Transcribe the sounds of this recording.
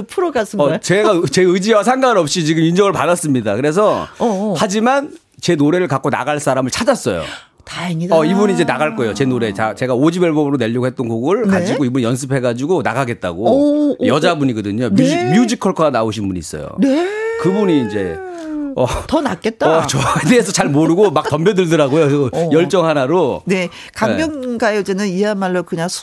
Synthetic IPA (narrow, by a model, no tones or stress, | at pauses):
pʰɯɾoɡas͈ɯʌt͡ɕe̞ɡat͡ɕe̞ɯd͡ʑiwasʰaŋɡaɯnʌp̚ɕ͈it͡ɕiɡɯmind͡ʑʌŋɯɭpadas͈ɯmɲidakɯɾe̞s̬ʰʌhad͡ʑiman | t͡ɕe̞noɾe̞ɾɯɭkak͈ona̰ɡaɭs͈ʰaɾamɯɭt͡ɕʰad͡ʑas͈ʌ̰jo̰ | taeŋiʌibuɲind͡ʑe̞naɣaɭk͈ʌejot͡ɕe̞noɾe̞t͡ɕat͡ɕe̞ɡaod͡ʑibeɭbʌbɯɾone̞ʎːʌɡohe̞t̚t͈ʌnkoɡɯɭkad͡ʑiɡoibuɲijʌns̬ʰɯpʰe̞ɡad͡ʑiɡonaɣaɡe̞t̚t͈a̰ɡojʌd͡ʑabuɲiɡʌdɯɲomjuimjud͡ʑikʰʌɭkʰanaoɕʰinbuɲiːs͈ʌ̰jo̰nekɯbuɲiːnd͡ʑe̞ | ʌtʌnak͈et̚t͈aʌt͡ɕʌede̞esʰʌt͡ɕaɭmoɾɯɡomak̚tʌmbjʌdɯɭdɯɾaɡojosʌjʌɭt͡ɕ͈ʌŋɦanaɾone̞ | kaŋbjʌŋɡajed͡ʑenɯniɦanmaɭːokɯɲaŋsʰ